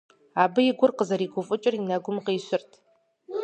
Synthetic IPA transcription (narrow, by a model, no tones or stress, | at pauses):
aːbɨjɪɡʷʊrqəzɐɾiːɡʷʊfʼʊt͡ʃʼɪrinɐɡʷʊmqeːɕɪrtʰ